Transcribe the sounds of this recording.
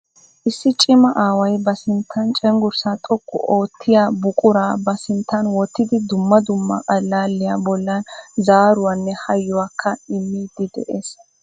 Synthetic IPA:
ʔɪsːɪt͡ʃʼɪmɐʔaːwɐjbɐsɪnt̪ʰːɐnt͡ʃʼɛŋɡʊɾsat̪ʼɔkːʊ̰ʔoːt̪ʰːɪjabʊkʼʊɾaːbɐsɪnt̪ːɐnwɔt̪ːɪd̪ɪd̪ʊmːɐd̪ʊmːɐ̰ʔɐlːaːlːɪjabɔlːɐnzaːɾʊwaːnːɛhɐjːʊwaːkʰːɐɪmːiːd̪ɪd̪ɛ̰ʔes

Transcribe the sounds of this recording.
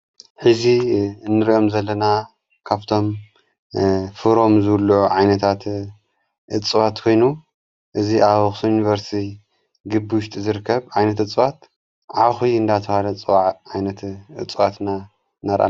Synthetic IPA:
ħɨziɨnːɨɾo̞mzɐlːɐna | kʰaβt̪ʰo̞m | fɨɾo̞mzɨlːuʕuʕajnɐt̪ʰat̪ | ʔɨt͡sʼɨwat̪kʰo̞jnu | ʔɨziʔaβɨxsujunivɐɾst̪ʰi | ɡɨbːiwʃt̪ʼizɨɾɨkʰːɐβʕajnɐt̪ɨt͡sʼɨwat̪ | ʕaxujɨnd̪at̪ʰɐhalɐt͡sʼɨwaʕʕajnɐt̪ɨt͡sʼwat̪na | naɾʔa̰

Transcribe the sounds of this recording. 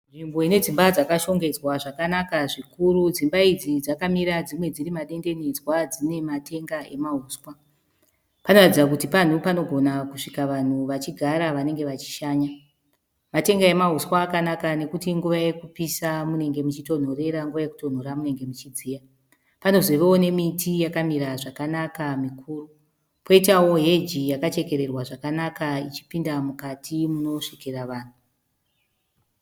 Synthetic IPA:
nʐimbo̞ine̞d͡zimbad͡zakaʃo̞ŋɡe̞d͡zwaʐakanakaʐikuɾud͡zimbaid͡zid͡zakamiɾad͡zimwe̞d͡ziɾimaɗe̞nde̞ned͡zwad͡zine̞mate̞ŋɡae̞maɦuːswa | pano̞ratid͡zak̬utipan̤upano̞ɡʱo̞nakuʂikaʋan̤uʋat͡ʃiɡʱaɾaʋane̞ŋɡe̞ʋat͡ʃi̥ʃaːɲa | mate̞ŋɡae̞maɦuswaːkanakane̞kutiŋɡuʋaje̞kupisamune̞ŋɡe̞mut͡ʃito̞n̤o̞re̞ɾaŋɡuʋaje̞kuto̞n̤o̞ɾamune̞ŋɡe̞mut͡ʃid͡ziːja | pano̞zeʋeo̞ne̞mitijakamiɾaʐakanakamikʰuːru | po̞itawo̞ɦe̞d͡ʒijakat͡ʃe̞ke̞ɾe̞rwaʐakanakait͡ʃi̥pindamukatʰimuno̞ʂikeraʋaːn̤u

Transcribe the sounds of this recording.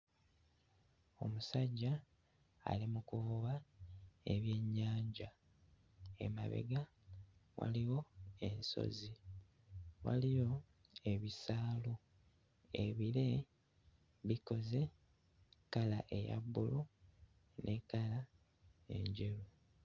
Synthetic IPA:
o̞̰musaɟːa̰ː | limukuβa | eβje̞ɲːaːɲɟa | ḛma̰βe̞̰ɡa | wa̰liwo̞enso̞̰zi | wa̰lijo̞ | e̞βisaːlo | e̞βiɾe̞ | βiko̞ze̞ | kalaʔeja̰bːulu | nʔekala | e̞̰ɲɟeɾu

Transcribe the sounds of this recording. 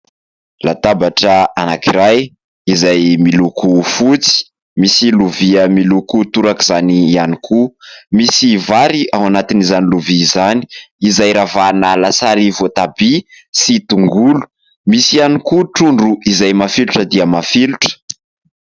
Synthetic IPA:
lat̪abaʈ͡ʂəanakiɾaj | izajmilukufut͡si̥ | misiluviəmilukut̪uɾakiz̥anianikʰumisivaɾiaw̃anat̪inizaniluvizani̥izajɾavanalasaɾivot̪abi | sit̪uŋɡulu̥ | misianikuʈ͡ʂuɳɖ͡ʐuizajmafiluʈ͡ʂəd̪iəmafiluʈ͡ʂə̥

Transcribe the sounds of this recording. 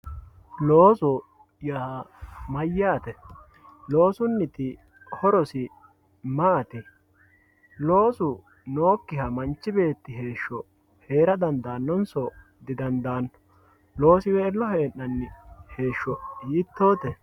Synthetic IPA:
loːsʊ | ja | mɐjːaːt̪ɛ | lo̞ːsʊnːɪt̪ɪ | hɔɾɔsɪ | maːt̪ɪ | lo̞ːsʊ | no̞ːkːɪhɐmɐnt͡ʃːɪbe̞ːt̪ːɪɦe̞ːʃːɔ | he̞ːɾɐd̪ɐnd̪aːnːɔnsɔ | d̪ɪd̪ɐnd̪aːnːɔ̥ | lo̞ːsɪwɛːlːɔhe̞ːnːɐnːɪhe̞ːʃːɔjit̪ːo̞ːt̪ɛ

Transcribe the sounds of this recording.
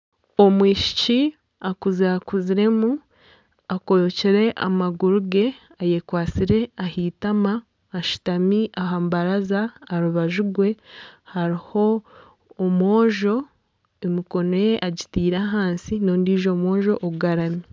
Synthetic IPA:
omwiːʃi̥ci | akuzakuziɾe̞mu | akooceɾe̞ʔa̰maɡuɾuɡe̞ | aje̞kwaːt͡siɾe̞ahiːtamaː | ʃu̥tamiʔaɦaːmbaɾazaːɾuβaʒuɡwe̞haɾiho̞ː | mwo̞ːʒo̞ | emiko̞noje̞ʔaɟitiːɾaɦaːnsino̞ːndiːʒo̞ːmo̞ːʒo̞ʔoɡaɾami

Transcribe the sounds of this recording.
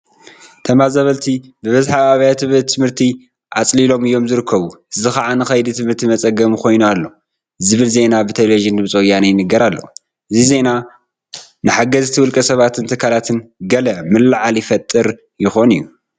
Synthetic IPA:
t̪ʰɐmazɐβɐlt̪ʰibɨβɐzħaβaβajat̪ʰɨβɨt̪ʰːɨmhɨɾt̪ʰi | ʔat͡sʼlilo̞mɨjːo̞mzɨɾɨkʰːɐβuɨzɨxaʕanɨxɐjd̪it̪ʰɨmhɨɾt̪ʰimɐt͡sʼɐɡɐmukʰo̞jnualːo | ɨzɨβɨlze̞nabɨt̪ʰɐloʒinɨβt͡sʼojanajɪnɨɡɐɾalːɐ̰ | ʔɨzize̞na | nɨħaɡɐzt̪ʰɨwʊlkʼɐsɐβat̪ʰɨnt̪ʰɨkʰːalat̪ʰɨnɡɐlɐmɨlːaʕaljɪfɐt̪ʼːɨɾ | jɪxo̞nɨjːu

